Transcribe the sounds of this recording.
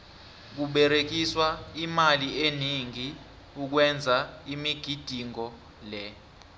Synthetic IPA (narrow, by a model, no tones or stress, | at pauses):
k̬uɓɛɾek̬iswaimalieniŋi | uk̬wɛnd͡zʱaimiɡ̥ʱid̥ʱiŋɔ | lɛ